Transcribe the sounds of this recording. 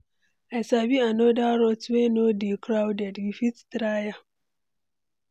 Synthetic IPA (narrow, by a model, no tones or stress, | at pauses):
asabianodaɾɔtwenodikɾawdɛdjifittɾaja